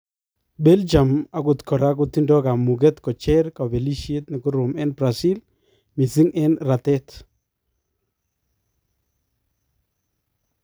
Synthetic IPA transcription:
bɛ˦ld͡ʒa˨ma˨kʊ˨t̪kʰɔ˨ɾa˦k̬ʊti˦ndɔ˦ka˨mu˨ɡ̬ɛ˦t̪kɔ˨t͡ʃɛ˦ɾka˨bɛ˨li˦ʃe˦t̪nɪ˨kʊ˦ɾʊ˨mɛ˦nbɾa˨si˦l | mi˨si˦ŋɛ˦nɾa˨tɛ˦t

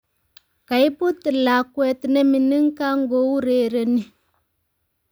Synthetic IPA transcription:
ka˨i˦pu˦ti˨la˨kwe˨tne˦mi˨ni˦ŋ˦ka˦ŋ̩˦ɡo˦wu˦ɾeː˨˦ɾe˨ni˦

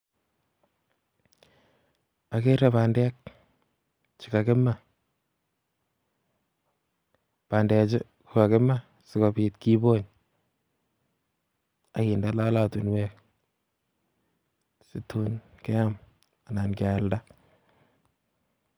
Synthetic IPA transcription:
a˨ke˦ɾa˨pa˨ndɛ˦k̚ | t͡ʃi˨ka˨kɪ˦ma | pa˨ndɛ˨t͡ʃɪ˦ | ku˨ka˨kɪ˦ma˦ | sɪ˨kɔ˨piː˨tki˦bo˦ɲ | a˨ki˨ndala˦la˦tu˨nwɛ˦k̚ | si˦tʰu˦nkɛ˦a˦m | a˨na˨nkalda˦

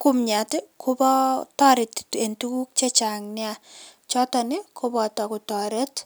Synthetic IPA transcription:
ku˦mɲa˨tɪ˦kʰʊ˦bɔ˦tɔ˦ɾɪ˨te˨ntu˦ku˦k̚t͡ʃe˦t͡ʃa˨ŋnɪ˦a˦t͡ʃɔ˦ta˨nɪ˦kʰʊbɔ˨tɔ˨kʊ˨tɔ˨ɾe˦t

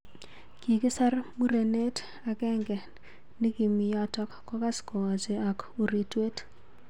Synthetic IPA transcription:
ki˨kɪ˦sa˦ɾmu˦ɾe˨ne˦t | a˨ɡɛ˦ŋɡɛ˨ | ni˦ɡi˨mɪ˨jɔ˦tɔ˦kːɔ˦ka˦skɔ˨wa˨d͡ʒe˨a˨ko˨ɾi˨twe˦t

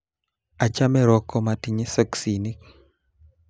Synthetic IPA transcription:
a˨t͡ʃa˦mɛ˦ɾɔ˦kɔ˦mati˨ɲe˦sa˦ksini˦k

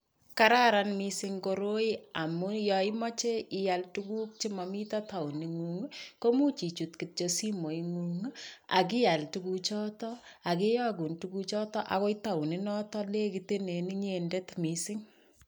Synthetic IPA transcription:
kaɾa˦ɾanmisɪ˦ŋko˧ɾo˦ia˨mu˦jɔi˦mɔ˦t͡ʃe˦ʔɪjaltuku˦k̚t͡ʃi˦mɔmi˦tɔta˨u˨ni˨ŋu˨ŋ˦ko˦mu˦t͡ʃi˨t͡ʃu˨tki˨t̚t͡ʃosi˦mo˨jŋu˨ŋa̰˨k̬i˦ja˨ltuku˦t͡ʃɔː˦tɔa˨ke˦jɔ˦ɡ̬u˨ntuku˦t͡ʃɔ˦tɔ˦ʔa̰˨ko˦ita˨u˨ni˦nɔ˦tɔ˦le˦ki˨te˦ne˨ni˦ɲende˦tmisɪ˦ŋ

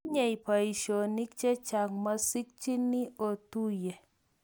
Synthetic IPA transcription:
ɲe˨i˨pa˨i˨ʃo˨ni˦k̚t͡ʃe˦t͡ʃa˨ŋma˦si˦k̚t͡ʃi˦nːi˦o˨tu˦je˨

